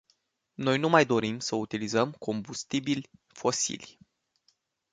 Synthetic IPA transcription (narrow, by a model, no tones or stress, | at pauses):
no̞jnumajd̪o̞ɾimsəut̪ilizəmkʰo̞mbust̪ibilʲfo̞sḭlʲ